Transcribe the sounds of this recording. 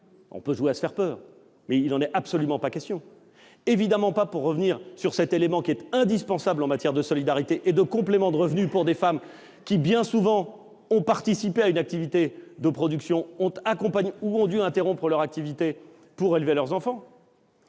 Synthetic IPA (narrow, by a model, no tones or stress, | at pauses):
ɔ̰̃pøʒuweasə̥fɛʁpœːʁ | mɛilnɑ̃nɛapsɔlymɑ̃pakʲɛst̪jɔ̃ | evid̪amɑ̃papuʁːəvniʁsyʁsɛt̪elemɑ̃kʲiɛt̪ɛ̃d̪ispɑ̃sablɑ̃mat̪jɛʁd̪əsɔlid̪aʁit̪eʔed̪əkɔ̃plemɑ̃d̪əʁəvnypuʁd̪efam | kʲibjɛ̃suvɑ̃ | ɔ̃paʁt̪isipeaynak̚t̪ivit̪ed̪əpχɔd̪yksjɔ̃ɔ̃t̪akɔ̃paɲuɔ̃d̪yɛ̃t̪eʁɔ̃pχəlœʁak̚t̪ivit̪e | puʁelvelœʁzɑ̃fɑ̃